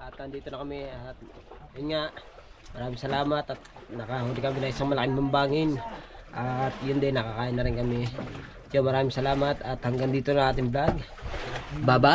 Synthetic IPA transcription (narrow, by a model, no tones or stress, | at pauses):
ʔat̪ːɐnd̪iːt̪onɐkɐmiat̪̚iŋaʔ | mɐɾaːmɪŋsɐlaːmat̪ɐt̪̚nɐkaɦud̪ɪkɐmɪnɐŋʔɪsaŋmɐlɐkɪŋmambaːŋɪnʔat̪̚jʊnd̪ɛnɐkakaːʔɪnːɐɾɪnkɐmɪ | jomɐɾaːmɪiŋsɐlaːmat̪ɐt̪hɐŋɡand̪iːt̪onaŋʔaːt̪ɪŋblaɡ | baːba